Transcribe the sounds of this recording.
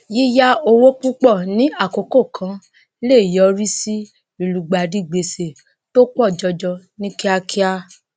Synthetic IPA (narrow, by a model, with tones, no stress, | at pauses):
ji˦ja˦o˧wo˦k͡pu˦k͡pɔ˦˨nĩ˨˦a˦˨ko˨ko˦˨kʰã˨˦ | le˦˨jɔ˨˦ɾi˦si˦ | i˨lu˨ɡ͡ba˨di˦˨ɡ͡be˨se˨ | to˦kɔ˦˨d͡ʒɔ˧d͡ʒɔ˧nĩ˦ki˦a˧kʰi˦a˦